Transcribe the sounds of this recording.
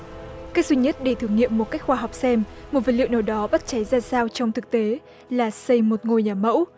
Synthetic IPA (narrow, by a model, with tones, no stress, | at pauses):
ka˦˥k̚zwi˧ɲə˦˥t̚ɗe˧˩t̪ʰɨ˧˩ŋːḭ˧˨əmːo˨˩t̚ka˦˥k̚xwaː˧ɦa˨˩wk͡p̚sɛ˧mmo˨˩t̚və˨˩lḭ˧˨əwnəː˧˩ɗɔ˨˦ɓa˦˥t̚t͡ɕa˨˦jzaː˧saː˧wt͡ɕɔ˧wŋ͡mt̪ʰɨ˨˩k̚t̪e˨˦ | laː˨˩sə˧jmo˨˩t̚ŋo˧jɲaː˨˩mə̰˧˥w